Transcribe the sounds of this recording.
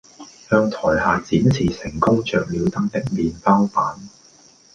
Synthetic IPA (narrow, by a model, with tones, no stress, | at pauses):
hœː˧ŋt̪ʰɔː˨˩jhaː˨˧t͡siː˨˥mt͡sʰiː˨˩sɪ˨˩ŋkʊ˥ŋt͡ʃœː˨k̚liː˨˧wt̪ɐ˨˥k̚t̪ɪ˥k̚miː˨npaː˥wfaː˨˥n